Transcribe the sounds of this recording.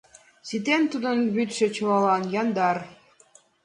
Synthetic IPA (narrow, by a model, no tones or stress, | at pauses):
sit̪ent̪ud̪ənβyt̪ʃĕt͡ɕɤ̆lɑlɑnjɑnd̪ɑr